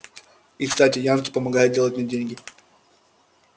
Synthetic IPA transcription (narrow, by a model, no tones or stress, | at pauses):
ɪkst̪atʲɪjankʲɪ̥pəmɐɡajʊt̪̚dʲe̞lˠət̚ʲmʲdʲenʲɡʲɪ